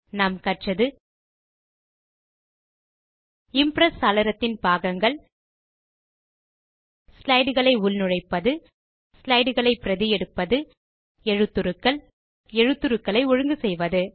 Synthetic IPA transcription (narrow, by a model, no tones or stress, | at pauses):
naːmkɐʈt͡ʃɐðɯ | ɪmpɾɐsɐlɐɾɐt̪ːɪnpaːɣɐŋɡɐɭ | slɐɪɽɯɣɐɭɐɪʊlnɯɻɐɪpːɐðɯ | slɐɪɽɯɣɐɭɐɪpːɪɾɐðɪjɛɽɯpːɐðɯ | ɛɻɯt̪ːɯɾɯkːɐɭ | ɛɻɯt̪ːɯɾɯkːɐɭɐɪɔɻɯŋɡɯsɛjʋɐðɯ